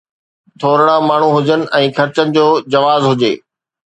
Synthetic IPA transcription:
t̪ʰoːɾɪɽ̃ãmaːɳ̤ũɦʊd͡ʑənɪ̆ʔɛ̃ːxʰɐɾt͡ɕənɪ̆d͡ʑoːd͡ʑɐʋaːzɦʊd͡ʑḛː

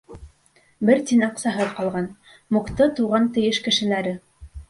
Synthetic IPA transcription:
bɘɾt̪inɑqsɑɦɤðqɑlˠʁɑn | muqt̪ɤt̪uʁɑnt̪ɘ̆jɘʃkɘ̆ʃɘ̆læɾɘ

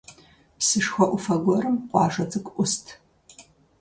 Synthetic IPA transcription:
psɨʂxʷɐʔʷʊfɐɡʷɔrɨmqʷɑːʒɐt͡sʼɨkʷʼʔʷʊstʰ

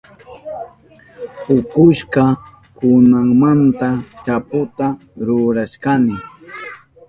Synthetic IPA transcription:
hʊkʊʃkɑ | kʊnaŋmant̪at͡ʃapʊt̪a | ɾʊɾaʃkanɪ

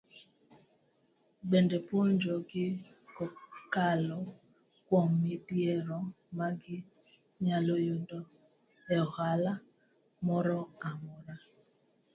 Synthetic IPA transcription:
ɡ͡bendepʊn̩d͡ʒɔɡɪ | kɔkalɔ | kʷɔŋ̩mipieɾɔ | maɡɪ | ɲalojodɔ | ɛhala | mɔɾɔamɔɾa

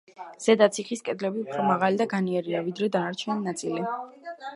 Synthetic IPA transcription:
z̥ɛd̪at̪sʰiχiskʼɛd̪lɛbiupʰɾɔmaʁalid̪aɡaniɛɾiavid̪ɾɛd̪anaɾt͡ʃʰnɔnat̪sʼili

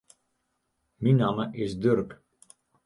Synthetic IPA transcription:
minaməʔɪsdørk

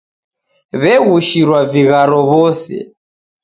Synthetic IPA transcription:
βɛɣuʃiɾwaviɣaɾɔβɔsɛ̰

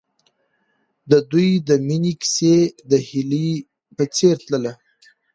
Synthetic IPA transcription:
d̪əd̪ujd̪əminiki̥sed̪əhili | pət͡seɾt̪ləla

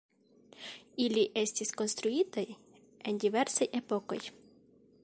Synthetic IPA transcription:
ilʲiʔɛsʲtʲisʲkɔnst̪ɾʊit̪əj | ɛnʲdʲiʋɛrsɔjɛpɔkɔ̰j

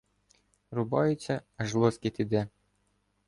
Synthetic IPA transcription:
ɾʊbɔjʊt͡sʲːɐɐʒlˠʊskʲɪt̪id̪ɛ

